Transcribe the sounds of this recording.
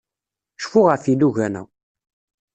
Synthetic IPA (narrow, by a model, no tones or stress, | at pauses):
ʃfʊʁəfiluʝænæ̰